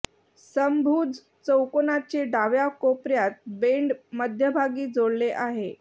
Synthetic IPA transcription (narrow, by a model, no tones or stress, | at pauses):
səmbʱuːd͡z | t͡səwkonat͡ɕeɖaʋjakopɾjat̪̚beɳɖməd̪ʱjəbʱaɡiːd͡zoɽleʔaɦe